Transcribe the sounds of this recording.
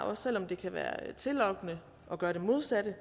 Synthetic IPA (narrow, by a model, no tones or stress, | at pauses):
ʔɒ̽sːel̰ɒ̽md̥e̝kʰæʋæ̰ːɐ̰t͡sʰe̝lɒ̽ɡ̥ənə | ʔɒ̽ɡ̥ɶːɐɾ̥emo̝ð̞ˠsæɾ̥ə